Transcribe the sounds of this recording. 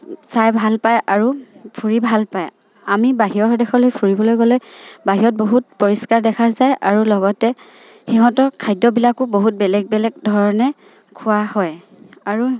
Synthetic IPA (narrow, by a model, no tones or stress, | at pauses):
sajbʱalpajʔaɹupʰuɹibʱalpaj | amibaɦiɔxɔdɛxɔlojpʰuɹibɔlojɡɔlojbaɦiɔt̚boɦut̚pɔɹiskaɹdɛkʰazajʔaɹulɔɡɔtɛ | xiɦɔ̃tɔkʰajdɔbilakʊboɦut̚bɛlɛɡ̚bɛlɛɡ̚dʱɔɹɔnɛ | kʰʊwahɔj | aɹu